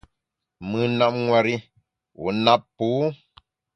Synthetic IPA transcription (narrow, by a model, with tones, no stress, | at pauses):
mɨ˨na˦˨p̚ŋwa˨ɾi˦ | wṵ˨na˦ppuː˨˦